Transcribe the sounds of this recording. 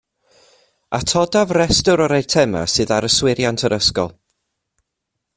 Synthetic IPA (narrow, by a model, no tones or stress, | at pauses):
atʰɔdavrɛstʊɾɔɾejtʰɛma̰sɨːðaɾəswɪɾjantʰəɾəskɔ̰lˠ